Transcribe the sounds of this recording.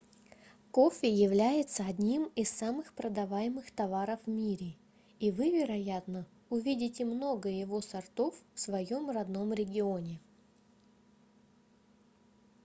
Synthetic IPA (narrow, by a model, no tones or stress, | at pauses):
ko̞fʲɪjɪvlʲæjɪt̪səɐdʲnʲimɪsːamɨxpɾəd̪ɐvajɪmɨxt̪ɐvaɾəfmʲiɾʲɪ | ivɨvʲɪɾɐjat̪nə | ʊvʲidʲɪtʲɪmno̞ɡəjɪvo̞sɐrt̪o̞ffsvɐjo̞mrɐd̪no̞mɾʲɪɡʲɪo̞nʲɪ